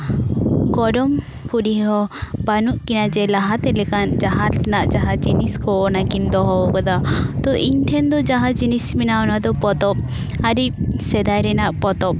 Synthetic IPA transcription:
ɡɔɖɔm | pʰuɖiɦɔbanuʔkinad͡ʒɛlaɦat̪ɛlɛkand͡ʒaɦaɾt̪ɛnaʔd͡ʒaɦad͡ʒiniskɔɔnakind̪ɔɦɔbɔkɔd̪at̪ɔʔiɲt̪ʰɛnd̪ɔd͡ʒaɦad͡ʒinisminaɔnad̪ɔpɔt̪ɔp̚ | aɾisɛd̪ajɾɛnaʔpɔt̪ɔp̚

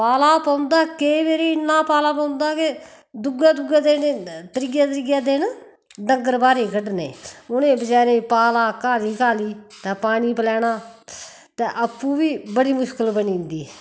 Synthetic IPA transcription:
paːlaːpãːʊnd̪aːkeːʋeːɾiːnːaːpaːlaːpãːʊnd̪aːkɪ | d̪ʊɡaːd̪ʊɡaːd̪eːnet̪əɾɪɡaːt̪əɾɪɡaːd̪eːn | ɖəŋɡəɾbaːɾeːkəɖnḛːʊnẽːbəd͡ʒɛːɾẽːpaːlaːkaːliːkaːliːt̪ɛ̃ːpaːɽ̃iːpəlɛːɽaː | t̪ɛ̃ːʔəpːũːʋiːbəɽiːmʊʃkəlbənĩːnd̪iː

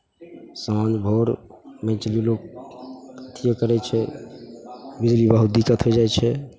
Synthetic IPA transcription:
saand͡ʒbʱoɾ | mɛ̃t͡ʃlilok̚ | ət̪ʰijokəɾɛt͡ʃʰɛ | bid͡ʒlibəɦut̪̚d̪ikət̪ɦojd͡ʒajt͡ʃʰɛ

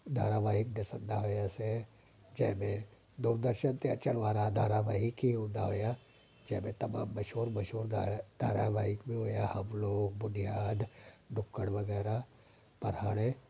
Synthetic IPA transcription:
d̪ʱa̰ːɾaːʋaːɦɪk̚d̪ɪsənd̪aɦoːjase | d͡ʒɛːmẽ | d̪uːɾd̪əɾʃənt̪eɐt͡ʃəɽ̃ʋaːɾad̪ʱaːɾaʋaːɦɪkɦiɦõːnd̪aɦoːja | d͡ʒɛːmẽt̪ɐma̰ːmːɐʃoːɾmɐʃoːɾd̪̥ʱaːɾaʋaːɦɪkbʱĩɦoːjahɐmloːɡbʊnijaːd̪ɖʱʊkːəɽʋɐɡɛːɾa | pɐɾ̤aːɽ̃e

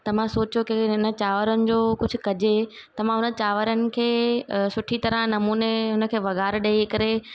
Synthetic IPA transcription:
t̪ɐʋ̤ãsoːt͡ɕjokeɦʊnət͡ɕaːʋəɾənɪ̆d͡ʑoːkʊd͡ʑʱʊ̆kɐd͡ʑe | t̪ɐʋ̤ãɦʊnət͡ɕaːʋəɾənɪ̆kʰeːsʊʈʰit̪ɐɾə̃nɐmuːneɦʊnə̆kʰeːʋɐɣaːɾɗɐikɐɾe

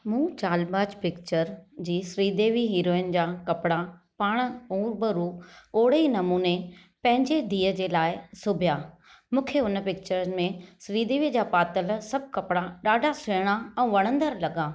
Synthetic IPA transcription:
mũːt͡ɕaːlbaːd͡ʑpɪkt͡ɕəɾd͡ʑiːsɾiːd̪eːʋiɦiːɾoːɪənɪ̆d͡ʑaːkɐpɪɽa | paːɽ̃ũːɾbəɾuːoːɽinɐmuːne | pɐ̃ɦɪ̃ɲd͡ʑed̪ʱiːəd͡ʑeːlaːɪsʊbʱjaː | mũːkʰeʊnpɪkt͡ɕəɾmẽsɾiːd̪eːʋid͡ʑaːpaːt̪əlsɐb̚ʱkɐpɪɽaɗaːɖʱasʊɽ̃aɛ̃ːʋɐɽ̃ə̃nd̪əɾlɐɠaː

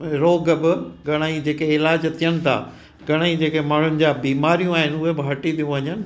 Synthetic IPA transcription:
ɾoːɡbɪɡɐɽ̃aːid͡ʑeːkeɪlaːd͡ʑt̪ʰijəñɪ̆t̪ʰa̰ː | ɡɐɽ̃aːid͡ʑeːkemaːɳ̤ʊnɪ̆d͡ʑaːbiːmaːɾijũaːɦɪnʊɦebɪɦɐʈit̪ʰijũʋɐɲənɪ̆

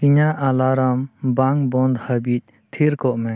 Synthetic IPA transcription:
iɲaʔalaɾambaŋbɔnd̪həbic̚ˀ | t̪ʰiɾkɔʔmɛ

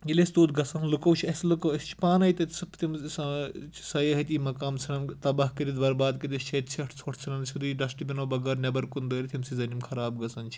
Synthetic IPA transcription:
ilest̪oːt̪ɡɐsɐnlɨkɐwt͡ʃʰiɐslɨkɐwɐst͡ʃʰi̥paːnɐjt̪ɐt̪sɨpʰt̪imsɐt͡ʃʰsɐjɐɦɐt̪iːmɐkaːmt͡sʰɐnɐnt̪ɐbɐɦkɐd̪id̪bɐɾbaːd̪kɐd̪it͡ʃʰet̪t͡sʰiʈʰt͡sʰoʈʰt͡sʰɨnɐnsʰud̪uiɖɐsʈibʲinobɐɡɐɾnʲɐbɐɾkund̪ɐːɾʲit̪ʰimsizɐnimkʰɐɾaːbɡɐsɐnt͡ʃʰi̥

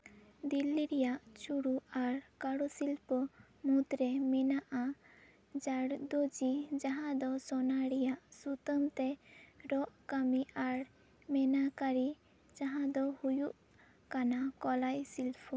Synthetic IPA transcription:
d̪ilːiɾɛjaʔt͡ʃuɽuaɾkaɽusilpʰɔ | mut̪ɾɛmɛnaʔa | d͡ʒaɽd̪od͡ʒid͡ʒaɦãd̪ɔsɔnaɽɛjaʔsut̪əmt̪ɛɾɔʔkamiʔaɾ | mɛnakaɾi | d͡ʒaɦãd̪ɔhujuʔ | kanakɔlajsilpʰɔ

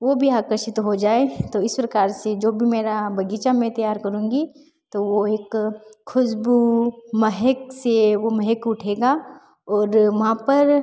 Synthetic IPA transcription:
ʋoːbʱiaːkəɾʃɪt̪ɦod͡ʒaːet̪oɪspɾɐkaːɾsed͡ʒoːbʱimeːɾabɐɡiːt͡ʃamẽt̪ɐjaːɾkɐɾũːŋɡi | t̪oʋoeːkʰːʊd͡ʒbumɐɦɛkseʋomɐɦɛkʊʈʰeːɡa | ɔːɾʋɐɦãpɐɾ

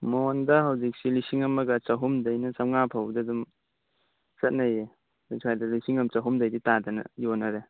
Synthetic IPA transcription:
mondɐɦɐwzik̚silisiŋɐmɐɡɐt͡ʃɐɦumdɐjnɐsɐŋapʰawdɐdum | sɐt̚nɐje | disʰajdɐlisiŋɐmt͡ʃɐɦumdɐjditadɐnɐ̰jonɐɾe

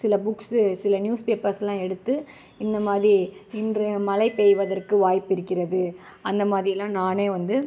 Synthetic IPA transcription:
sɪlɐbʊkssɪlɐnjuːspeːpɐɾsɛlãːɛɽɯt̪ːɯ | ɪnd̪ɐmaːðɾiɪndrɯmɐlɐɪpejʋɐðɐrkɯʋaːjpːɪɾɯkːɪrɐðɯ | ɐnd̪ɐmaːðɾɪjɛlːãːnaːneːʋɐnd̪ɯ

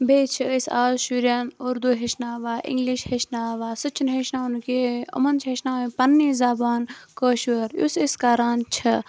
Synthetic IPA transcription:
bʱeːt͡ʃʰɨisaːzʃuɾʲjɐnuɾd̪uɦeʃnaːʋaːʔḭŋɡliʃheʃnaːʋaːsɨt͡ʃʰːinɦeʃnaːnkeɐ̰mɐnt͡ʃʰɦeʃnaːʋĩpɐnːiːzaːbaːnkəːʃuɾjṵsiskaːɾaːnt͡ʃʰɐ

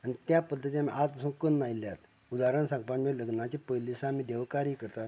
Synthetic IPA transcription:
anit̪japəd̪ʱːət̪iamiʔat̪pasuːnkənːailjat̪ | ud̪aɾənsãŋɡpaɳmeləɡnat͡ɕepəjlisaːmiːd̪eʋkaɾiːkəɾt̪at̪

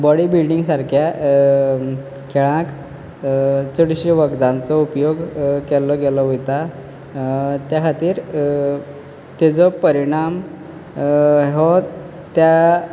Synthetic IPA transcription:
bɔɽiːbilɖiŋɡsaɾkʰja | kʰeɭãk | t͡səɽɕiʋəɡd̪ãnt͡sɔupjoɡkɛlɔɡɛlɔʋut̪a | t̪jakʰat̪iːɾ | t̪ed͡zɔpəɾiɽ̃am | ɦɔ | t̪ja

